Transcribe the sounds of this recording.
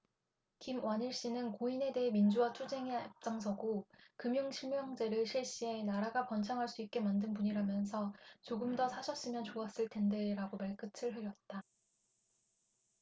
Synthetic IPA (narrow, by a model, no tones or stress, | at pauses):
kimwaniɭɕ͈inɯnkoine̞de̞ɦemind͡ʑuwatʰud͡ʑe̞ŋeap̚t͡ɕ͈aŋs̬ʰʌɡokɯmjuŋɕʰiɭmjʌŋd͡ʑe̞ɾɯɭɕʰiɭɕ͈ie̞naɾaɡapʌnt͡ɕʰaŋɦaɭs͈uit̚k͈e̞mandɯnpuɲiɾamjʌnsʰʌt͡ɕoɡɯmdʌsʰaɕʰʌs͈ɯmjʌnt͡ɕoas͈ɯɭtʰe̞ndeɾaɡomaɭk͈ɯt͡ɕʰɯɭɦɯɾjʌt̚t͈a